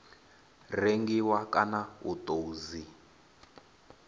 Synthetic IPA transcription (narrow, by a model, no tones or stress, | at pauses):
reŋɡiwakanautʼouzi